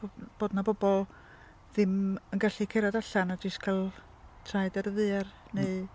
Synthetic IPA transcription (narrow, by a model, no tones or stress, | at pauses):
b̥oːdnabɔbɔlˠ | ðɪmənɡaɬikʰeɾɔdaɬanad͡ʒɪskʰalˠ | tʰrajdɛɾəðɨar | neɨ